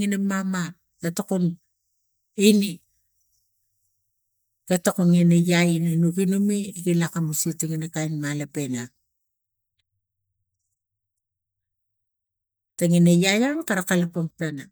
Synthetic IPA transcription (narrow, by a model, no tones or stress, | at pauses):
ŋinamama | ɡatokon | ini | katokoŋinajainanuɡinumiɡilakamusitaŋinakajnmalape̞na | taŋinajajankaɾakalapamplana